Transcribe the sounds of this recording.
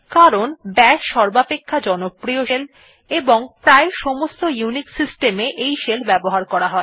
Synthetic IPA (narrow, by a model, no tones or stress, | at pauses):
kaɾonbɛʃʃɔɾbapekʰːad͡ʑɔnopɾioʃel | eboŋpɾaeʃɔmost̪ojuniksisʈemeʔejʃelbɛboɦaɾkɔɾaɦɔe